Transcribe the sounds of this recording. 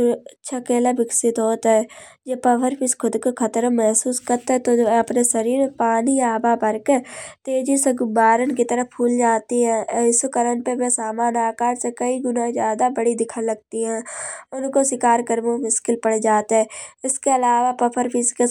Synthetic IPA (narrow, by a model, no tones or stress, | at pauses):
ɐtːʃʰakeːlabɪksɪt̪ɦoːt̪aɦɛː | d͡ʒopəpʰəɾpʰiskʰʊd̪kekʰɐt̪ɾəmɛɦsuːskɐɾt̪aɦɛt̪oɐpnesəɾiːɾpaːniaːbapɐɾket̪eːd͡ʒiseɡʊbaːɾənkit̪əɾəpʰːuːld͡ʒaːt̪iɦɛ̃ːɪskəɾənpemɛ̃saːmaːnaːkaːɾsekəiɡʊnãzjaːd̪abəɽid̪ɪkʰaləɡ̚t̪iɦɛ̃ːʊnkosɪkaːɾkəɾmõmʊʃkɪlpəɽd͡ʒaːt̪eɦɛ̃ːɪskeɐlaːʋapəpʰəɾpiske